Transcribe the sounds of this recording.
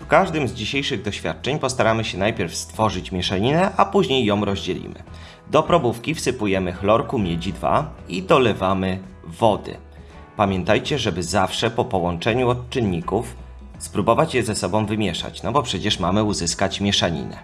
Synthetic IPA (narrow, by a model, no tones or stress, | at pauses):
fkaʐd̪ɘmzd͡ʑiɕejʂɘɣd̪ɔɕfʲjat̪̚t͡ʂɛɲpɔst̪aɾamɘɕɛnajpʲɛɾfst̪fɔʐɘt͡ɕmʲjɛʂaɲinɛʔapuʑɲejːɔ̃w̃ɾɔʑd͡ʑɛlʲḭmɘ̰ | d̪ɔpɾɔbufkʲifsɘpujɛmɘxlɔɾkumʲjɛd͡ʑid̪va̰id̪ɔlɛvamɘ | vɔd̪ɘ̰ | pamʲjɛnt̪ajt͡ɕɛʐɛbɘzafʂɛpɔpɔwɔnt͡ʂɛɲuɔtt͡ʂɘnːikuf | spɾubɔvat͡ɕjɛzɛsɔbɔ̃w̃vɘmʲjɛʂa̰t͡ɕnɔbɔpʂɛt͡ɕɛʂmamɘuzɘskat͡ɕmʲjɛʂaɲḭnɛ̰